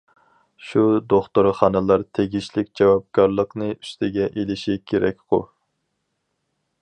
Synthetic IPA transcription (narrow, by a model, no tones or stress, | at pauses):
ʃud̪oχt̪uɾχɑnɨlˠɑɾt̪ʰeɡʲiʃlɪkʲd͡ʒɛwɑp̚kɑɾlˠəqnɨy̥st̪ʰɪɡʲɛʔelɪʃikʲʰeɾɛk̚ʲqʰʊ̰